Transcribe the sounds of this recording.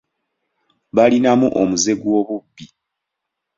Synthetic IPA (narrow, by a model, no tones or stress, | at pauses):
βalinamuʔomuze̞ɡwo̞βubːi